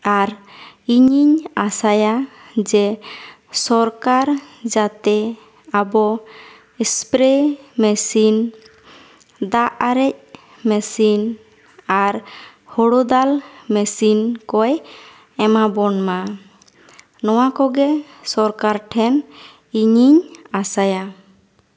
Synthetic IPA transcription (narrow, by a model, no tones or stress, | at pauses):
aɾiɲiɲasajad͡ʒɛ | sɔɾkaɾd͡ʒat̪ɛ | abɔ | ɛspɾɛmɛsin | d̪aʔaɾɛc̚ | mɛsin | aɾ | hɔɽod̪almɛsinkɔj | ɛmabɔnma | nɔwakɔɡɛ | sɔɾkaɾʈʰɛn | iɲiɲasaja